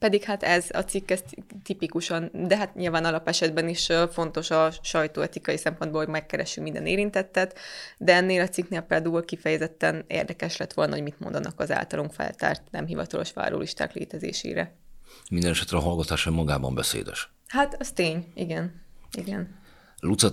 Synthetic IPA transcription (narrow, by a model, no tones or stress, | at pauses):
pɛd̪ikhat̪ɛzɒ̰t̪sikːɛst̪t̪ipikuʃɒnd̪ɛɦat̪ɲilvaːnɒlɒpɛʃɛd̪bɛniʃfo̞n̪t̪o̞ʃɒʃɒjt̪oːɛt̪ikɒjisɛmpo̞nd̪boːlhomɛkːɛɾɛʃːymind̪ɛneːɾint̪ɛt̪ːɛt̪d̪ɛɛnːeːlɒt̪sikneːlprɛd̪ulkifɛjɛzɛt̪ːɛnḛːrd̪ɛkɛʃlɛt̪ʋo̞lnɒɦo̞ɟmit̪mo̞̰nd̪ɒnʔɒkɒza̰ːlt̪ɒloŋkfɛ̰lt̪a̰ːrt̪nɛmɦivɒt̪ɒlo̞ʃʋa̰ːɾo̰ːlʔiʃt̪a̰ːklḛːt̪ɛzḛːʃḛːɾɛ̰mind̪ɛnɛʃɛt̪ɾɛɒɦɒlɡɒt̪aːʃɒimɒɡaːbɒ̰mbɛsḛːd̪ɛ̰ʃ | hat̪ɛst̪eːɲiɡɛniɡɛn | lut̪sɒ